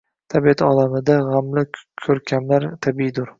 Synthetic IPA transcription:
t̪ʰabiat̪ʰɒlamɪd̪aʁamlɪkʲʰɵɾkʲʰamlaɾt̪ʰabid̪ʊɾ

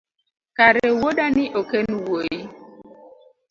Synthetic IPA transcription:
kaɾɛwoɗanɪʔokenwoji

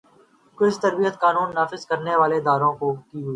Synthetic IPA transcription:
kʊt͡ʃt̪əɾbijət̪kaːnuːnːaːfɪzkəɾneʋaːled̪aːɾõkoːkiɦʊiː

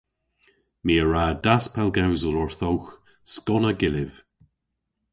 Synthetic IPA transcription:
miːəɹadaspʰɛlɡawzəlɔɹθɔwx | skɔnəɡɪlɪv̥

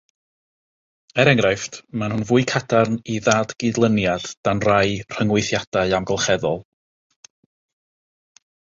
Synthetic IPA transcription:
ɛɾɛŋrajftmanhʊnvuːɨkʰadarniðaːdɡ̥ɪdlˠənjad̥d̥anrajr̥əŋwɪθjad̥aɨamɡɔlˠχɛðɔlˠ

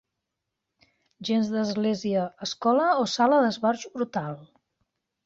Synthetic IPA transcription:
ʒenzðəzɣleziəːskɔləosaləðəzβaɾʒbɾut̪alˠ

